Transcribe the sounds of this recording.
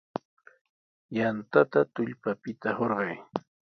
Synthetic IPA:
jant̪at̪at̪ʊʎpapɪt̪ahoɾɢɑj

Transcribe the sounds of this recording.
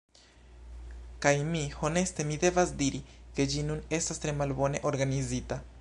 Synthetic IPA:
kajmiho̞ne̞ste̞mide̞vasdiɾike̞d͡ʒinune̞stastɾe̞malbo̞ne̞̰ʔo̞ɾɡanizita

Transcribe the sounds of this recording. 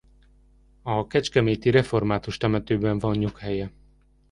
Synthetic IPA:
ɒkɛt͡ʃkɛmeːt̪iɾɛfo̞rmaːt̪uʃt̪ɛmɛt̪øːbɛɱvɒnːukhɛjɛ

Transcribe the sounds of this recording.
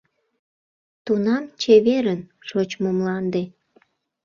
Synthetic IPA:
t̪unɑmt͡ɕeβeɾənʃot͡ɕmomlɑnd̪e

